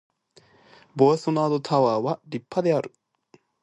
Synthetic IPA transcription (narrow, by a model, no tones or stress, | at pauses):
boasonaːd̪ot̪ʰaβaːβaɾʲipʰːad̪eaɾɯ̟